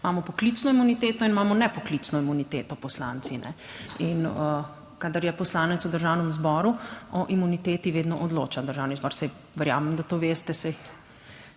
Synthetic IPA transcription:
maːmɔpɔklit̪snɔimunit̪eːt̪ɔinmaːmɔnɛpɔklit̪snɔimunit̪eːt̪ɔpɔsla̰ːnt̪sinɛ̰inə | kad̪əɾjɛpɔslaːnɛt̪sud̪əɾʒaːwnɛmzbɔːɾuɔʔimunit̪eːt̪iʋeːd̪nɔʔɔd̪lo̰ːt͡ʃad̪əɾʒaːwnizbɔːɾsɛj | ʋɛɾja̰ːmɛmd̪at̪oːʋeːst̪ɛsɛ

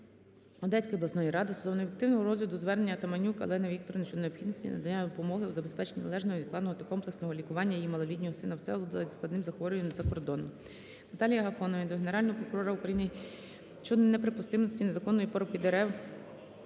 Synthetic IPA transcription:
ɔd̪ɛsʲkɔjɔblˠɐsnɔjiɾɑd̪ɪsʊzɔwnɔfʲikt̪ɪwnɔɦɔɾɔzlʲɐd̪ʊzʋɛrnenʲːɐt̪ɐmɐnʲukɐ̰lˠɛnɐʋʲik̚t̪ɔɾɐnt͡ʃɔd̪neɔpxid̪nɔsʲtʲḭnɐ̰d̪ɐnʲːad̪ɔpɔmɔɦɪwzɐbespɛt͡ʃenʲinɐlˠɛʒnɔɦɔid̪klˠɑnɦɔt̪ɐkɔmplˠeksnɔɦɔlʲikʊʋɑnʲːɐjijimɐlˠɔlʲidʲnʲɔɦɔsɪnɐwsɛ̰lˠud̪ɪlˠɐzʲsklˠɐd̪nɪmzɐxʋɔɾʲɪjɛmnzɐkɔrd̪ɔnʊm | nɐt̪ɑlʲijɐɦɐfɔnɔʋind̪ɔɦe̞neɾɑlʲnɔɦɔpɾɔkʊɾɔɾɐukɾɐjinɪ | t͡ʃɔd̪neɛpɾepʊst̪ɪmnɔsʲtʲine̞zɐkɔnːɔjipɔɾɔpʲid̪eɾɛw

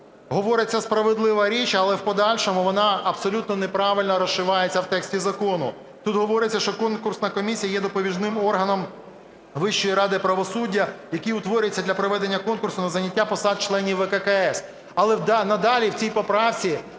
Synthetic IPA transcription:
ɦɔʋɔɾɪt͡sʲːɐspɾɐʋɪd̪lˠɪʋɐɾʲit͡ʃɐlˠɛwpɔd̪ɑlʲʃɔmʊʋɔnɑɐbsɔlʲut̪nɔnepɾɑʋɪlʲnɔɾɔsʃɪʋɑjet͡sʲːɐwt̪ɛksʲtʲizɐkɔnʊ | t̪ut̪ɦɔʋɔɾɪt͡sʲːɐʃt͡ʃɔkɔnkʊrsnɐkɔmʲisʲijɐjɛd̪ɔpɔʋʲiʒnɪmɔrɦɐnɔm | ʋɪʃt͡ʃːɔjiɾɑd̪ɪpɾɐʋɔsudʲːɐjɐkiʊt̪ʋɔɾʲjet͡sʲːɐd̪lʲɐpɾɔʋɛd̪enʲːɐkɔnkʊrsʊnɐzɐnʲːɐtʲːapɔsɑd̪̚t͡ʃlˠɛnʲiwɛkɛkɐɛs | ɐlˠɛnɐd̪ɑlʲiwt͡sʲijpɔpɾɑwt͡sʲi

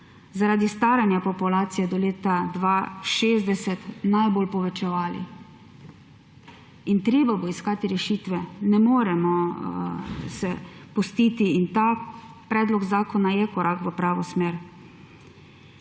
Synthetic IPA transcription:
zaɾaːd̪ist̪aːɾanjapɔpulaːt̪sijɛd̪ɔleːt̪ad̪ʋaʃeːzd̪ɛsɛt̪najboːlpɔʋɛt͡ʃɛʋaːlḭ | int̪ɾeːbabɔiskaːt̪iɾɛʃiːt̪ʋɛnɛmoːɾɛmɔ | sɛpust̪iːt̪iint̪aː | pɾɛːd̪lɔɡzaːkɔnajɛkɔɾʔakʋəpɾaːʋɔsmeːɾ

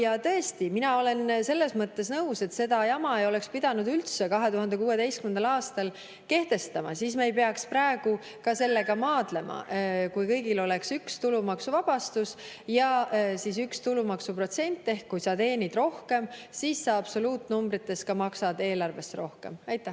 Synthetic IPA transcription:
jɑt̪ɤ̞est̪iminɑo̞le̞nse̞lːe̞smɤt̪ːe̞snɤuse̞t̪se̞d̪̥ɑjɑmɑejo̞le̞kspid̪̥ɑnud̪ylt̪sekɑɦe̞t̪uɦɑnd̪e̞kuːe̞d̪e̞jst̪kymend̪ɑlɑːst̪ɑl | ke̞ht̪e̞st̪ɑmɑ̰sismɑejpe̞ɑksprɑeɡ̥u | kɑse̞lːe̞ɡɑmɑːd̪̥le̞mʔɑ̰kujkɤ̞jɡilo̞le̞ksykst̪ulumɑksuvɑb̥ɑst̪us | jɑsiːsykst̪ulumɑksupro̞t̪se̞nʲt̪ːˑe̞hkːujsɑt̪e̞ːnʲid̪̥ro̞hke̞msiːsːɑɑb̥so̞luːt̪ːˑnumbɾit̪ːˑe̞s̚kɑmɑksɑd̪e̞ːlɑrve̞st̪ro̞hke̞̰mɑjt̪ːˑæ

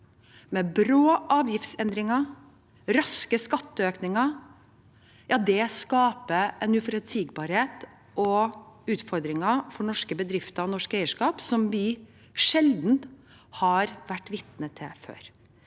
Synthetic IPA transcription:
mɛbɾoːʔɑːʋjɪft̪sɛnd̪ɾɪŋɑ | ɾɑskəskɑt̪ːəøːknɪŋɑ | jɑːd̪ɛskɑːpəʔɛnʉfɔɾɛt̪siːɡbɑːɾheːt̪ | ʔɔʉːt̪fɔɾd̪ɾɪŋɑfɔɳɔʂkəbəd̪ɾɪft̪əɾɔnɔʂkeɪəʂkɑːpsɔmʋɪ | ʂɛld̪n̩ | hɑɾʋæʈːʋɪt̪nət̪ʰːɪfø̰ːɾ

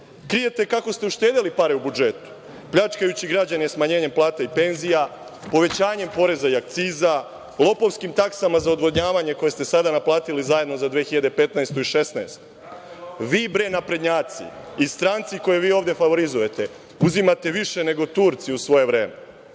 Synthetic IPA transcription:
kɾije̞t̪e̞kako̞st̪e̞uʃt̪eːd̪elipaɾeubud͡ʒe̞t̪u̥ | pʎat͡ʃkajut͡ɕiɡɾad͡ʑanismaɲeːɲe̞mplˠaːt̪aipe̞nzija | po̞ʋe̞t͡ɕaːɲe̞mpo̞ɾe̞zaiak̚t̪siːza | lˠo̞po̞ʋskimt̪aksamazaod̪ʋo̞d̪ɲaːʋaɲe̞ko̞je̞st̪e̞sad̪anaplˠaːt̪ilizaje̞d̪no̞zad̪ʋeːxiʎad̪epe̞t̪naest̪oiʃe̞snaest̪o̥ | ʋiːbɾenapɾe̞d̪ɲaːt̪sḭist̪ɾaːnt̪siko̞jeʋiːo̞ːʋvd̪je̞faʋo̞ɾizuje̞t̪e̞ | uzimat̪e̞ʋiʃe̞ne̞ɡot̪uːɾt̪siusʋo̞je̞ʋɾe̞ːme

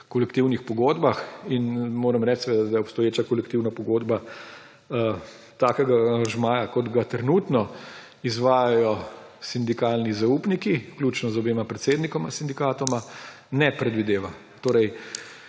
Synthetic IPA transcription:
kɔlɛkt̪iwnixpɔɡoːd̪baxinmoːɾəmɾɛt͡ʃseɛʋeːd̪ad̪ajɔpst̪ɔjeːt͡ʃakɔlɛk̚t̪iwnapɔɡoːd̪ba | t̪aːkɛɡaʒmaːjakɔd̪ɡat̪ɾɛnuːt̪nɔ | izʋaːjajɔsind̪ikaːlnizauːpnikiklʲuːt͡ʃnɔzɔbeːmapɾɛt̪seːd̪nikɔmasind̪ikaːt̪ɔma | nɛpɾɛd̪ʋid̪eːʋa | t̪oːɾɛj

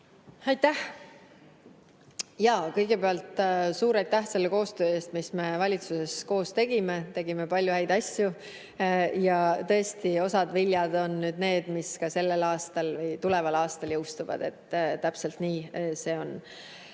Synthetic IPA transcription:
ɑjt̪ːæh | jɑkɤjɡe̞pe̞ɑlt̪ˑsuːɾɑjt̪ːæhse̞lːe̞ko̞ːst̪øːe̞ːst̪misme̞vɑlʲit̪suse̞sko̞ːst̪e̞ɡ̥imet̪e̞ɡ̥ime̞pɑlʲjuhæjd̪̥ɑsʲju | jɑt̪ɤ̞e̞st̪io̞sɑd̪viljɑd̪̥o̞nnyːd̪̥ne̞ːd̪̥miskɑse̞lːe̞lɑːst̪ɑlvɤjt̪ule̞vɑlɑːst̪ɑljɤwst̪uvɑ̰d̪̥e̞̰t̪ːˑt̪æpse̞lt̪niːse̞ːo̞n

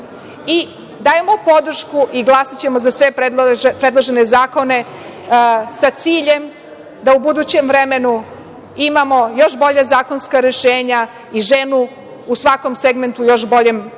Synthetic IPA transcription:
i | d̪aːjemo̞po̞d̪r̩ʃkuʔiɡlˠasit͡ɕe̞mozasʋe̞pɾed̪pɾed̪lˠaʒenezaːko̞ne̞ | sat̪siːʎe̞m | d̪aubud̪ut͡ɕe̞mvɾeme̞nu | imamo̞jo̞ʃbo̞ʎazaːko̞nskaɾe̞ʃeːɲa | iʒenu | usʋako̞mseɡme̞nt̪ujo̞ʃbo̞ʎe̞m

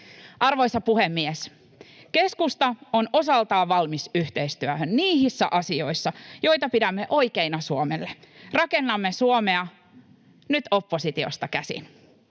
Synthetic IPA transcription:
ʔɑrʋo̞jsɑpuhemːies | ke̞skust̪ɑono̞sɑlt̪ɑːʋɑlmisyht̪eist̪yøhønniːɦisːæ̰ʔɑsio̞jsːɑjo̞jt̪ɑpidæmːe̞ʔo̞jkeinɑsuomelːerɑke̞nːɑmːesuomeɑ | nyt̪opːo̞sit̪io̞̰st̪ɑkæsḭn

